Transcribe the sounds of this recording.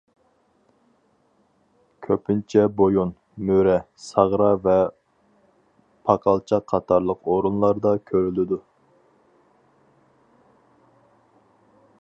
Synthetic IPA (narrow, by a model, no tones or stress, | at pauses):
kʲʰøpɪnt͡ʃʰɛbojun | møɾɛ | sɑʁɾɑvɛ | pʰɑqʰɑlˠt͡ʃʰɑqʰɑt̪ʰɑɾlˠəqʰoɾunlˠɑɾd̪ɑkʲʰøɾylɪd̪u